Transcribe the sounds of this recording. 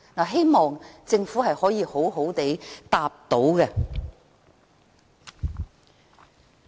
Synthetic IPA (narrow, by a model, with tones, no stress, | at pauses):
naː˨˩ɦe˥jmɔː˨ŋt͡sɪ˧ŋfuː˨˥ɦɐ˨jhɔː˨˥jiː˨˧ho˨˥wɦo˨˥wt̪e˨˥t̪aː˧p̚t̪o˨˥wɡɛ˧